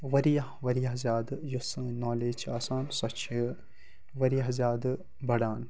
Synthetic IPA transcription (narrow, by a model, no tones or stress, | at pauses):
ʋɐɾijɐhʋɐɾijɐɦzaːd̪ɨjosɨ̃naːleːt͡ʃʰaːsaːnsɐt͡ʃʰi | ʋɐɾijɐɦzaːd̪ɨ | bɐɽaːn